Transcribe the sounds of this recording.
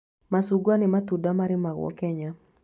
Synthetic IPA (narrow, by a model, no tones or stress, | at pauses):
masuɡwanɪmat̪udamaɾɪmaɣwɔ̰kɛɲa